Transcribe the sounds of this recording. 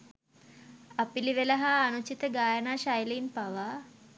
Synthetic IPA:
apiliʋelɐɦaːnut͡ʃit̪əɡaːjənaːʃajleinpaʋa

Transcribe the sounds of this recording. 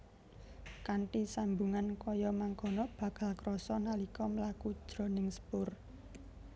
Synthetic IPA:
kaɳʈisambuŋankɔjɔmaŋɡɔ̤nɔb̥ä̤ɡ̥ä̤lkɾɔsɔnalikɔməlaku̥ʒ̥ɾɔ̤nɪŋspʊr

